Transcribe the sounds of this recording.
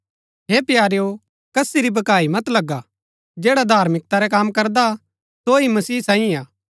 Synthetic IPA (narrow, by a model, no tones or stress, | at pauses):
ɦepjaːɾejo | kɐsiɾibɐkaːimɐt̪lɐɡːa | d͡ʒeːɽad̪ʱaːɾmɪk̚t̪aɾɛkaːmkɐɾd̪a | soimɐsiːsãːĩaː